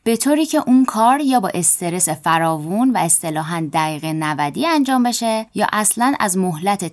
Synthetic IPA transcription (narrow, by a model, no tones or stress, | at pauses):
b̥e̞t̪ʰoːɾiːcʰe̞ʔunkʰɒːɾjɒːbɒ̰ːʔe̞st̪ʰe̞ɾe̞se̞fæɾɒːvunvæe̞st̪e̞lɒːɦænd̪æɣiːɣenævæd̪iːænd͡ʒɒːmbe̞ʃejɒːʔæslænʔæ̰zmoɦlæt̪ʰe